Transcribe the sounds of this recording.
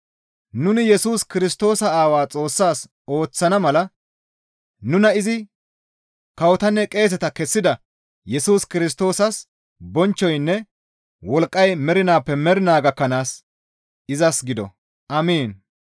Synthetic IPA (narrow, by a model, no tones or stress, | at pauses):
nʊnɪjɛsuːskɪɾɪst̪o̞ːsɐaːwaːt͡sʼo̞ːsːaːs | o̞ːt͡sːɐnɐmɐlɐ | nʊnɐɪzɪ | kɐwɔt̪ɐnːɛkʼe̞ːs̬ɛt̪ɐkɛsːɪd̪ɐ | jɛsuːskɪɾɪs̬t̪o̞ːsɐs | bɔnt͡ʃːɔjnːɛ | wɔlkʼːɐjmɛɾɪnaːpːɛmɛɾɪnaːɡɐkːɐnaːs | ɪzɐsɡɪd̪ɔ̰ | ʔɐmiːn